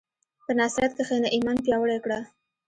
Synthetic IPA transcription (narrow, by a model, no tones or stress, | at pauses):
pənɑsɾjat̪̚kexenaʔimɑnpjɑwəɽekɽa